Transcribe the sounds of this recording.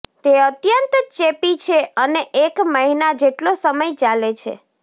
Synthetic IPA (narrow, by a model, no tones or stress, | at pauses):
t̪eət̪jənt̪t͡ʃepit͡ʃʰeəneʔekməɦinad͡ʒeʈlosəməjt͡ʃalet͡ʃʰḛ